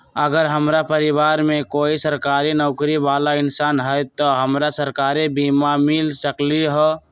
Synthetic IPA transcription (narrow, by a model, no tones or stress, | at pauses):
əɡəɾɦəmɾapəɾɪbaːɾmẽkoːisəɾkaːɾinɔːkɾibaːlaɪnsaːnɦəjt̪ɔɦəmɾasəɾkaːɾebiːmamilsəkliɦɔ